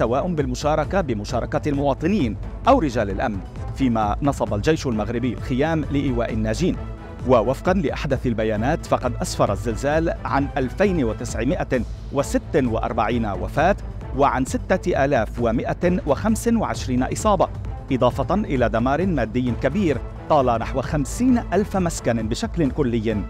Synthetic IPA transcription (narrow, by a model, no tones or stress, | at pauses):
sawaːʔʊnbɪlmʊʃɑːɾˤɑkabɪmʊʃɑːɾˤɑkalmʊwɑːt̪ˤɨniːn | ʔawɾɪd͡ʒaːlalʔamn | fiːmanɑsˤɑbald͡ʒajʃalmaɣɾɪbɪjːalxɪjaːmlɪʔɪːwaːʔɪnːaːd͡ʒiːn | wawafqɑnlɪʔaħd̪aθalbajaːnaːt̪fɑqɑd̪ʔasfɑɾˤazːɪlzaːlʕanʔalfajnwɪt̪ɪsʕɪmɪʔa | wɪsɪt̪ːwɪ̰ʔɑ̰ɾˤbaʕiːnawa̰faːt̪ | waʕansɪt̪ːaʔaːlaːfwamɪʔawɪxamsɪnwaʕɪʃɾiːnaʔɨsˤɑːbɑ | ʔɨd̪ˤɑːfɑtʔɪlaːd̪amɑːɾˤɪnmaːd̪ːɪjːkabiːɾ | t̪ˤɑːlɑnaħwaxamsiːnʔalfmaskanbɪʃaklɪnkʊlːɪjː